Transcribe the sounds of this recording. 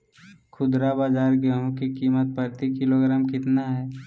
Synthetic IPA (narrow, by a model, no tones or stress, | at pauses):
kʰʊd̪ɾabaːd͡ʒaːɾɡəɦõkikiːmət̪̚pəɾt̪ikɪloɡɾaːmkɪt̪naɦɛː